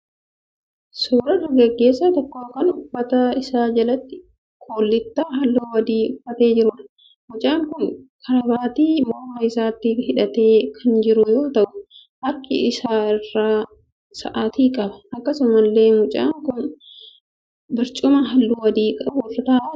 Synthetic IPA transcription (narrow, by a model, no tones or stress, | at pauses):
suːɾɐrɐɡɐɡːe̞ːsːɐt̪ɔkːoːkːɐnʊbːɐt̪ɐɪsaːd͡ʒɐlɐt̪ːɪ̥ | kʰoːlːɪt̪ːaːɦɐlːuːwɐd̪iːʊfːɐt̪e̞ːd͡ʒɪɾʊːᶑɐ̥ | mʊt͡ʃʼaːŋkʊnkʰɐɾɐbaːt̪iːmɔɾmɐɪsaːt̪ːɪhɪᶑɐt̪e̞ːkʰɐnd͡ʒɪɾʊjoːt̪ɐʔʊ | hɐɾkːɪ̰ʔɪsaːɪrːaː | sɐ̰ʔaːt̪iːkʼɐbɐ̥ɐkːɐsʊmɐlːe̞ːmʊt͡ʃʼa̰ːŋkʊn | bɪɾt͡ʃʼʊmɐɦɐlːuːwɐd̪iːkʼɐbʊɪrɐt̪aːʔ